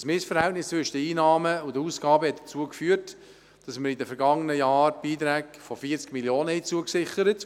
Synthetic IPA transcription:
smɪsfəɾhɛltnɪst͡sʋʏʃədəiːnɑːməʊdəuːskɑːbəhɛt̚də̥t͡suəkfyːərt | d̥ɑsməɾidəfɛɾɡɑŋːənəjɑːɾb̥iːtɾæːkfɔfiːəɾt͡skmiljoːnəhit͡suəksɪχəɾət

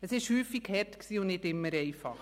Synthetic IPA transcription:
əsɪʃhyːfikhɛɾtksiːʊnnɪtɪmːəɾɛɪfɑχ

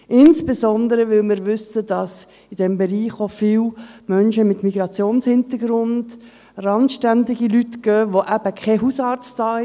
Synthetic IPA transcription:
ʔɪnsb̥ezɔnd̪əɾəʋɪlmɪɾʋʏsəd̥ɑs | id̥ɛmbeɾiːχofiːlmœnʃəmɪtmiɡ̥ɾɑt͡sjoːnshɪnt̪əɡɾʊnd | ɾɑnʃtændɪɡilytɡ̥œːʋoʔæb̥əkχɛɦusɑːɾt͡stɑːɪ

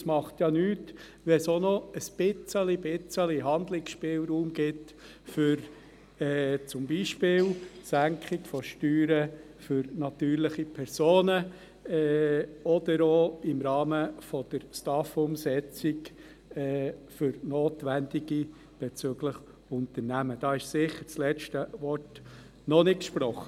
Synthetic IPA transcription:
smɑχt̪jɑnyːt | ʋɛsonɔəsb̥ɪt͡səlibɪt͡səliɦɑnd̪lɪksʃpɪːlɾuːmɡ̥ɪt | fʏɾ | ɛːt͡sʊmbiːʃpɪːlsæŋkχɪkfɔʃtyːɾə | fʏɾnɑt̪yːɾlɪχipʰɛɾsoːnə | ɛɔd̥̪əɾoɪmɾɑːməfɔd̪̥əɾstɑfʊmsɛt͡sɪk | ɛːfʏɾnoːt̪ʋændɪɡ̥i | b̥et͡søɡlɪχ | ʊnt̪əɾnæməd̥ɑːɪʃsɪχəɾt͡slɛt͡ʃtəʋɔrt | nɔnɪkkʃpɾɔχə

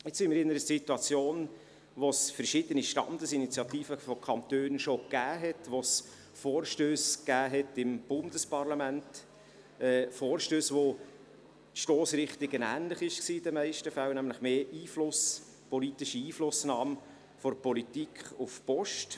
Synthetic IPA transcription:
ɪt͡shɪmɪɾɪnəɾəsituɑt͡sjoːn | ʋosfəɾʃɪd̥̪əniʃtɑ̰nd̪əsinit͡sjɑt̪iːfəfɔkʰɑnt̪øːnʃokæːɦɛtʋos | fɔːrʃtøːsɡ̥æːɦɛtɪmb̥ʊnd̥əspɑrlɑmænt | ɛːfɔːɾʃtøːsʋo | tʃtoːsɾɪχt̪ɪɡənæːnlɪχɪʃksiːɪd̥̪əmɛɪʃtəfæwnæmləχmeːiːflʊs | pɔlit̪iʃiiːflʊsnɑːm | fɔɾpɔlit̪ikʰχufpɔʃt

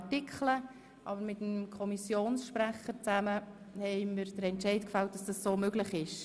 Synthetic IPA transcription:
tɪkʰχlə | ʔɑbəɾmɪtəmkʰɔmisjoːnsʃpɾæχəɾt͡sæmə | hɛɪməɾd̥əɾɛntt͡ʃɛɪtkfɑlt̚d̥ɑsd̥ɑssoːmøɡləχɪʃ

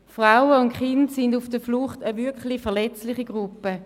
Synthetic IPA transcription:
fʁaʊəʊntχɪntsɪndufd̥əfluχtəvʏɐkχlɪfɛɐlɛt͡slɪχiɡ̥ʁupːə

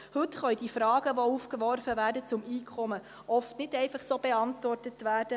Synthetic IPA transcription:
hɵtχœʏdifɾɑːɡ̥əʋoufkʋɔɾfəvæːɾdət͡sʊmiːkʰχɔmə | ʔɔftnɪtɛɪfɑχsoːb̥eɑntʋɔrtətʋæːd̥ə

